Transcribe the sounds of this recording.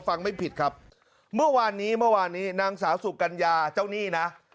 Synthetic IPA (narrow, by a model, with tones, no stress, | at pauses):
fa˧ŋma˥˩jpʰi˨˩t̪̚kʰa˦˥p̚ | mɯ˥˩ɐwaː˧nːiː˦˥mɯ˥˩ɐwaː˧nːiː˦˥naː˧ŋsaː˩˦wsu˨˩ka˧njaː˧t͡ɕa˥˩wniː˥˩na˦˥ʔ